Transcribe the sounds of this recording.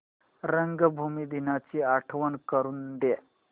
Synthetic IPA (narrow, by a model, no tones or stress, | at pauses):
ɾəŋɡəbʱumid̪inat͡ɕiːaʈʰʋənkəɾuːnd̪e